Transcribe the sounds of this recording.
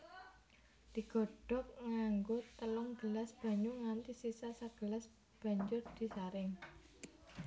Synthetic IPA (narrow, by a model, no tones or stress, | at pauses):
d̪̥i̤ɡ̥ɔ̤ɖ̥ɔ̤k̚ŋaŋɡʊt̪əlɔŋɡ̥əlasb̥a̤ɲuŋant̪isisasaɡ̥əlas | b̥a̤ɲd͡ʒʊrd̪̥i̤saɾɪŋ